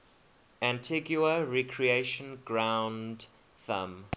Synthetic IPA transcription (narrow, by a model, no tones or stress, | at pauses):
æ̃ntʰiɡjuəɹikʰɹieɪʃə̃nɡɹãʊ̃nd | θə̰m